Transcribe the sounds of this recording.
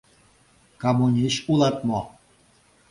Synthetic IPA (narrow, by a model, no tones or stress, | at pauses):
kamunʲiɕulɑt̪mo